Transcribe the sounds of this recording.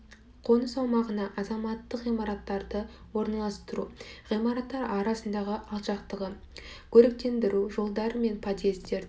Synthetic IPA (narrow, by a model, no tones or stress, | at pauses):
qʰo̞nəsɑwmɑʁənɑʔɑzɑmɑt̪ːəqʁijmɑɾɑt̪ːɑɾd̪ə | wo̞ɾnɑlˠɑst̪əɾuʁijmɑɾɑt̪ːɑɾɑɾɑsənd̪ɑʁəʔɑlˠʃɑqt̪əʁə | kʲʰɵɾek̚t̪e̞nd̪ɪɾuʒo̞lˠd̪ɑɾəme̞npʰat̪jezt̪e̞ɾ